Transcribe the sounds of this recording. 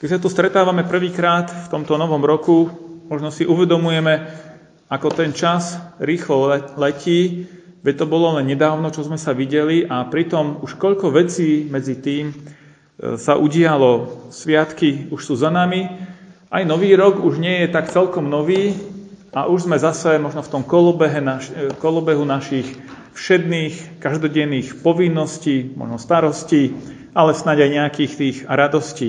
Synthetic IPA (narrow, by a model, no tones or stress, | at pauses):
kɛcsat̪ɔst̪ɾɛt̪aːʋamɛpr̩ʋiːkɾaːt̪ft̪ɔmt̪ɔnɔʋɔmɾɔkumɔʒnɔsiʔuʋɛd̪ɔmujɛmɛ | akɔt̪ɛnt͡ʃasɾiːxlɔlɛciː | ʋɛct̪ɔbɔlɔlɛnɲɛd̪aːʊnɔt͡ʃɔzmɛsaʋiɟɛliʔapɾit̪ɔmuʃkɔʎkɔʋɛt͡siːmɛd͡zit̪iːm | saʔuɟɪalɔsʋɪat̪kiuʃsuːzanamiʔajnɔʋiːɾɔɡuʒɲɪɛjɛt̪akt͡sɛlkɔmnɔʋiː | aʔuʒzmɛzasɛmɔʒnɔft̪ɔmkɔlɔbɛɦɛnakɔlɔbɛɦunaʃix | fʃɛd̪niːxkaʒd̪ɔɟɛnːiːxpɔʋinːɔsciːmɔ̰ʒnɔst̪aɾɔsciː | ʔalɛsnaɟajɲɛakiːxt̪iːxɾad̪ɔsciː